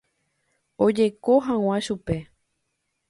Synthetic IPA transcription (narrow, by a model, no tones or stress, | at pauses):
od͡ʒe̞ko̞ɦãw̃ãʃupe̞